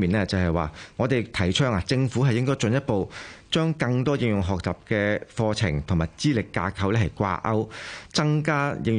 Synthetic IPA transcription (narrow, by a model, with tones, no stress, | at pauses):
miː˨nlɛː˥t͡sɐ˨wɦɐ˨jwa̰ː˨ŋɔː˨˧t̪e˨jt̪ʰɐ˨˩jt͡ʃʰœː˥ŋa˨t͡sɪ˧ŋfu˨˥ɦɐ˨jɪ˥ŋkɔː˥jt͡ʃɵ˨˧njɐ˥t̚po˨˧wt͡ʃœː˥ŋkɐ˧ŋt̪ɔː˥jɪ˧ŋjʊ˨ŋɦɔː˨k̚t͡saː˨˩p̚kɛː˧fɔː˧t͡sʰɪ̰˨˩ŋt̪ʰʊ˨˩ŋmaː˨jt͡siː˥lɪ˨kːaː˧kʰɐ˨˧wlɛː˥hɐ˨˩jkʷa̰ː˧ʔɐ˥wt͡sɐ˥ŋkaː˥jʔɪ˧ŋ